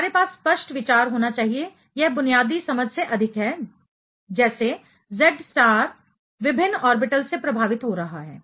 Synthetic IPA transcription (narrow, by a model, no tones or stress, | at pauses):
maːɾepaːsːpəʃʈʋɪt͡ʃaːɾɦoːnat͡ʃaːɦie | jɛɦbʊnijaːd̪isɐməd͡ʒʱseʔɐd̪ʱɪkɦɛː | d͡ʒɛːse | zɛɖsʈaːɾ | ʋɪbʱɪnːɔːɾbɪʈəlsepɾɐbʱaːʋɪt̪ɦoɾɐɦaɦɛː